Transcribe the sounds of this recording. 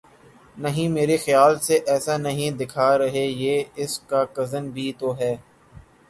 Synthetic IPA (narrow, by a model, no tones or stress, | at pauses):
nɐɦĩmeːɾexɪjaːlseʔɛːsanɐɦĩd̪ɪkʰaːɾɐɦejeːɪskakɐzənbʱiːt̪oɦɛː